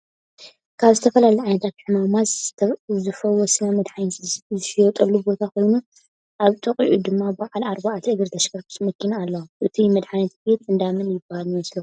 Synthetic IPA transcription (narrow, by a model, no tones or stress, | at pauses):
kʰaβzɨt̪ʰɐfɐlalɐjʕajnɐt̪ʰat̪ħɨmamaz | zɨfɐwɔsinamɐd̪ħajzʃijot̪ʼɐlːubo̞t̪ʰakʰo̞jnu | ʔaβt̪ʼɐqʼḭʔud̪ɨmːabbaʕalaɾbaʔat̪ʰʔɨɡɨɾt̪ʰɐʃkɐɾku̥smɐkʰːinaːlːɐwʔɨt̪ʰimɐd̪ħanɐt̪̚be̞t̪ɨnd̪amɨnjɪbahalnslɐ